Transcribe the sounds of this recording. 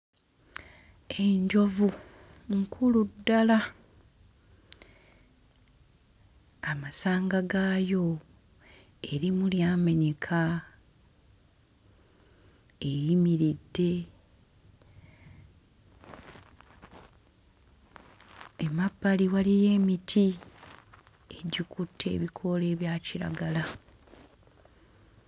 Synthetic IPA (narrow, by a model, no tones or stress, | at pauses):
e̞ɲɟo̞vu | ŋkʰuludːala | amasaːŋɡaɡaːjo̞ | eɾimuljaːmeɲekʰa | e̞jimiɾidːe̞ | emabːaliwalije̞ːmitʰi | e̞ɟikutʰːe̞̰ːβikʰo̞le̞ːβjaːciɾa̰ɡala